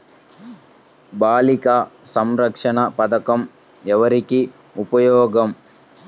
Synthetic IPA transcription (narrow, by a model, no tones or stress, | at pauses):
baːlikasɐmɾɐkʂɐɳɐpɐd̪ɐkɐm | ɛʋɐɾiki | upɐjoːɡɐm